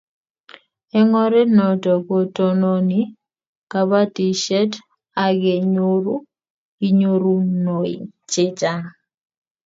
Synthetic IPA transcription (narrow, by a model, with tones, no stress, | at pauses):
ɛ˦ŋɔ˦ɾɛ˦nɔ˨tɔ˨ko˨tɔ˨no˦ni˦ | ka˨βa˦ti˨ʃɛ˦t | a˨ɡe˨ɲo˦ɾu˦ | i˦ɲo˦ɾu˦no˨ɪ̰˨t͡ʃe˦t͡ʃa˦